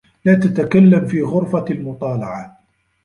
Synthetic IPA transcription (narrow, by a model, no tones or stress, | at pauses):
laːt̪at̪akalːamfiːɣʊɾfalmʊt̪ˤɑːlɑʕa